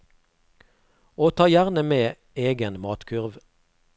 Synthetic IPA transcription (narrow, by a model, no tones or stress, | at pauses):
oːt̪ʰɑːjæʁnəmeː | eːɡənmɑːt̪kʰʉʁʋ